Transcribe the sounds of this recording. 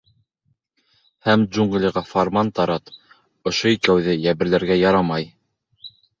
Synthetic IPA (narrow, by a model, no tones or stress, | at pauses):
hæmd͡ʒuŋɡlʲiʁɑfarmant̪ɑɾɑt̪ | ŏʃoikæwðɘjæβɘ̆ɾlæɾɡæjɑɾɑmɑj